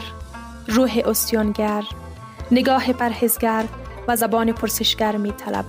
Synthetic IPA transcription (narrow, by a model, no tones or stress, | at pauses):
ɾ | ɾuːɦeʔost̪jɔnɡaɾ | nɪɡɒːhepaɾhizɡaɾ | vazabɒːnipʰʊɾsɪʃɡ̥aɾmiːt̪ʰala̰b